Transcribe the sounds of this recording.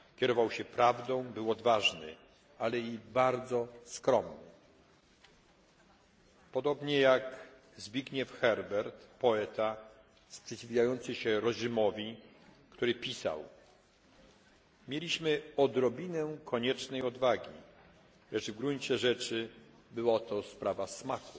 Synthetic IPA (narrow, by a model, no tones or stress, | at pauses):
kʲɛɾɔvawɕɛpɾavd̪ɔ̃w̃bɘwɔd̪vaʐnɘ̰ | alɛibaɾd̪zɔskɾɔmnɘ̰ | pɔd̪ɔbɲɛjak | zbʲjiɡɲɛfxɛɾbɛɾt̪pɔɛt̪a | spʂɛt͡ɕivʲvʲjajɔnt̪sɘɕɛɾɔʑimɔvʲi | kt̪uɾɘpʲisa̰w | mʲjelʲiɕmɘɔd̪ɾɔbʲinɛkʰɔɲɛt͡ʂnɛjɔd̪vaɡʲi | lɛʐvɡɾuɲt͡ɕɛʐɛt͡ʂɘ | bɘwat̪ɔspɾavasmaku